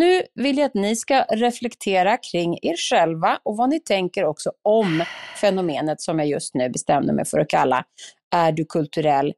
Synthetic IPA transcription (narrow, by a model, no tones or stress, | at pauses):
nʉ̟ːvɪljaat̪nɪskaɾɛflɛkt̪ʰeːɾakʰɾɪŋːeːɾɧɛlvaʔɔvanɪt̪ʰɛŋkəɾɔksɔɔmfɛnʊmeːnət̪sɔmjɑjɵst̪nʉ̟ːbɛst̪ɛmnə̰ɾmɛ̰jfœɾɔkʰalːa̰ | æɖɵkʰɵlt̪ɵɾɛlː